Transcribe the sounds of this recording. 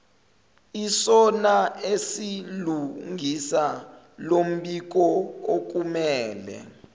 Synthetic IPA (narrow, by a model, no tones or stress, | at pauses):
isɔnaesiluŋʱisa | lom̩ɓik̬ɔok̬umɛːlɛ̰